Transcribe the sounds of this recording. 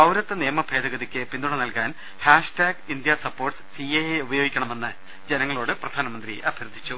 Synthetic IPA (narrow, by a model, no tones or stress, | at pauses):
ɐwɾɐt̪ːɨnijːɐmɐbʱe̞ːd̪ɐɣɐðikʲːɨpind̪uɽɐnɐlkaːn | haːʂʈaːɡind̪jɐsɐpːoːrʈsɨ̥siejeubɐjo̞ːɡikʲːɐɳɐme̞nːɨ | d͡ʑe̞nɐŋːɐɭo̞ːɽɨprɐd̪ʱaːnɐmɐnd̪rḭʔɐbʱjɐɾɨd̪ʱːit͡ɕːu